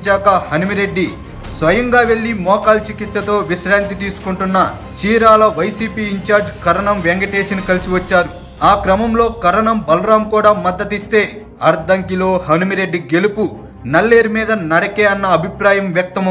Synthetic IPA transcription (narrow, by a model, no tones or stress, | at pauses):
t͡ʃaːkɐhɐnumiɾe̞ɖːi | sʋɐjɐŋɡaːʋe̞ɭːimɔːkaːlt͡ʃikit̪sɐt̪o̞ːʋiʃɾaːnt̪it̪iːsu̥kuɳʈunːɐ | t͡ʃiːɾaːlɐʋɐjsiːpiːɲt͡ʃaːɾd͡ʒkɐɾɐɳɐmʋeŋɡɐʈeːʃɐnkɐlisiʋɐt͡ʃːaːɾu | aːkɾɐmɐmlo̞ːkɐɾɐɳɐmbɐlɾaːmkuːɽaːmɐd̪ːɐt̪ist̪e̞ː | ɐɾd̪ɐŋkilo̞ːhɐnumiɾe̞ɖːiɡe̞lupu | nɐlːeːɾimiːd̪ɐnɐɽɐkeːɐnːɐːbʱipɾaːjɐmʋjɐk̚t̪ɐm